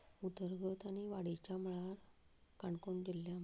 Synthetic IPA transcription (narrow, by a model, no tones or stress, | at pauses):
ut̪əɾɡət̪añiʋaɽit͡ɕaməɭaɾ | kaɳkoɳd͡ʑilːjam